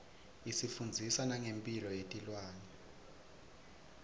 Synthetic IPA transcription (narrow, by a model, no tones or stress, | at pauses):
isifund͡zʱisanaŋempʼilɔjetʼilwaːnɛ